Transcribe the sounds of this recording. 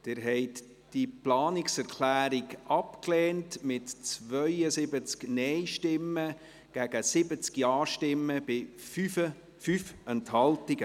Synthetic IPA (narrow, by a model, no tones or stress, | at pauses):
d̥ɪɾɦɛɪt | d̥iplɑːnɪksɛɾkʰlæːɾɪɡʔɑpklɛːntmɪtt͡svœʏəsɪbət͡sknɛɪʃtɪmːə | ɡ̥æɡ̥əsɪbət͡skjɑːʃtɪmːəb̥ɪfyfə | fyfɛnthɑltɪɡ̥ə